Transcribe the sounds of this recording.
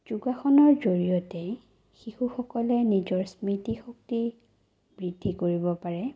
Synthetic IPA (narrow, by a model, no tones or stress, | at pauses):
d͡ʒ̥uɡaxɔnɔɹzoɹijɔtɛ | xixuxɔkɔlɛnizɔɹsmɹitixok̚ti | bɹidʱːikoɹibɔpaɹɛ